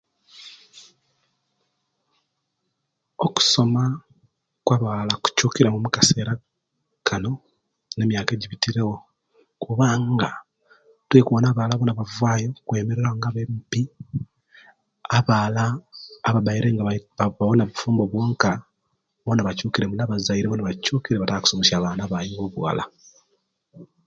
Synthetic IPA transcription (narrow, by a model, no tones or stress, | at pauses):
o̞ku̥so̞ma | kwaβaːlaku̥cuːkiɾemumukḁse̞ːɾa | kʰano̞ | nemjaːke̞ːɟiβitiɾe̞ɣo̞ | kuβaːŋɡa | twe̞ːkuwonaːβalaβonaβavwaːjo̞kwe̞ːmeɾeɾaoŋɡaβemupi | aβaːlaːβabajiɾe̞ŋɡaβaβonaβufuːmbo̞βwo̞ːŋka | βonaβacuːkiɾe̞munaβazajiɾeβonaβacuːkiɾeβataaku̥somoʃaːβaːnaβajoβoβwa̰la̰